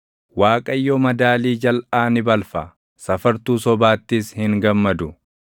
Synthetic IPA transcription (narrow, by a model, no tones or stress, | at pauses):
waːkʼɐjːɔːmɐd̪aːliːd͡ʒɐlʔaːnɪbɐlfɐ | sɐfɐɾt̪uːsɔbaːt̪ːɪshɪŋɡɐmːɐd̪ʊ